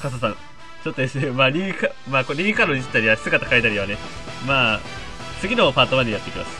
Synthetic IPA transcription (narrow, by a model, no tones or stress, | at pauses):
kas̬asã̰ŋ | t͡ɕo̞t̪ːoe̞sɨne̞maːɾʲikamaːkoɾʲikanoit͡ɕt̪aɾʲiβasɨɡat̪ḁkait̪aɾʲiβane̞maː | t͡sɨɡʲino̞paːt̪oβãɲ̟ːijat̪ːe̞kʲima̰sɨ̥